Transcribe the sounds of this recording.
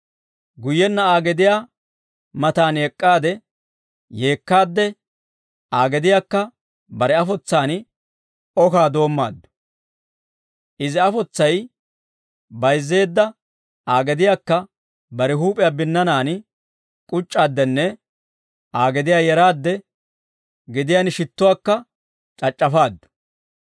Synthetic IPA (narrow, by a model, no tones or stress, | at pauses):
ɡʊjːɛnːɐaːɡɛd̪ɪjaː | mɐt̪aːnɛkʼːaːd̪ɛ | je̞ːkːaːd̪ːɛ | aːɡɛd̪ɪjaːkːɐ | bɐɾɛɐfɔt͡sːaːn | ɔkaːd̪o̞ːmːa̰ːd̪ːɔ̥ | ʔɪzɪɐfɔt͡sːɐj | bɐjzːe̞ːd̪ːɐ | aːɡɛd̪ɪjaːkːɐ | bɐɾɛɦuːpʼɪjabɪnːɐnaːn | kʼʊt͡ʃʼːaːd̪ːɛnːɛ | ʔaːɡɛd̪ɪjaːjɛɾaːd̪ːɛ | ɡɪd̪ɪjaːnɪʃɪt̪ːʊwaːkːɐ | t͡ʃʼɐt͡ʃʼːɐfaːd̪ːʊ̥